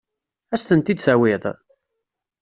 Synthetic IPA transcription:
æsθənt̪id̪θæwɪðˤ

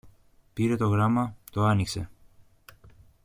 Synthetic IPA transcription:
piɾe̞t̪o̞ɣɾɐmɐt̪o̞ɐnikse̞̰

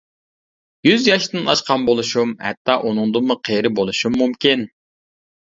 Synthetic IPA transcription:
jyzjɑʃd̪ɨnɑ̰ʃqɑnbolˠuʃumhɛ̰t̪ːɑʔunʊŋd̪ɨmʊqʰejɾɪbolˠuʃumːumkʲin

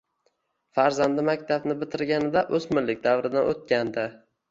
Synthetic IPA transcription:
faɾzand̪ɪmakʲt̪ʰabnɪbɪt̪ʰɪɾɡʲanɪd̪aʔɵzmɪlːɪk̚ʲd̪avɾɪd̪anʔo̰t̪̚kʲand̪ɪ

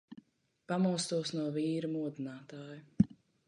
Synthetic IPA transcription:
pamuɔst̪uɔsnuɔviːɾumuɔd̪inaːt̪aːju

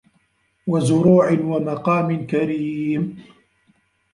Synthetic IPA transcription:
wazʊɾuːʕɪnwamaqɑːmɪnkaɾiːm

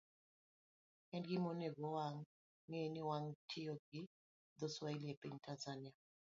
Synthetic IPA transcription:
ɛndɡɪmoneɡɔwaŋː | enɪwaŋtʰɪoɡɪ | d̪ɔswailiepiɲtʰanzanɪa

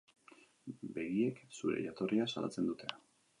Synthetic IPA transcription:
be̞ɣie̞ksuɾe̞̰jat̪o̞rʔiasa̰la̰t͡se̞nd̪ut̪ʰe̞a

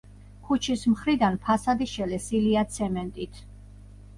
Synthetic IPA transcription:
kʰut͡ʃʰismχɾid̪anpʰasad̪iʃɛlɛsiliat̪sʰɛmɛnt̪ʼit̪ʰ

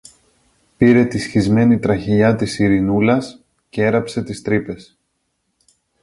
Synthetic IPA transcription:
piɾe̞t̪isçizme̞nit̪ɾɐçiʎɐt̪isiɾinulɐs | ceeɾɐpse̞t̪ist̪ɾipe̞s

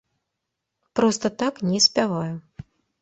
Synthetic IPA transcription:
pɾɔst̪ɐt̪aknʲɛsʲpʲavaju

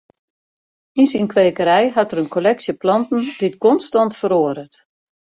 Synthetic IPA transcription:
insinkʋeːkəɾɛjɦatəɾənkʰolɛksjəplɑntn̩dɪtkɔnstɔntfəɾoəɾət

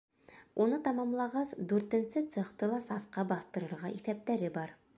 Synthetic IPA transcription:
unɤt̪ɑmɑmlˠɑʁɑsd̪ʉɾt̪ɘ̆nsɘt̪sɤ̆χt̪ɤlˠɑsɑfqɑbɑθt̪ɤ̆ɾɤ̆ɾʁɑʔiθæp̚t̪æɾɘbɑɾ

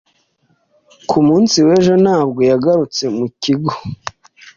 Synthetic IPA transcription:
kʰumuːnsiwe̞ːʒo̞naːbɡo̞jaɡaɾut͡se̞muciɡo

